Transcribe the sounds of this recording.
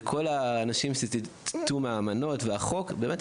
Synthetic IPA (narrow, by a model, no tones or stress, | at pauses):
kʰo̞laːnaʃimʃeti̥t̪umeamano̞tveaχo̞kbe̞ːmet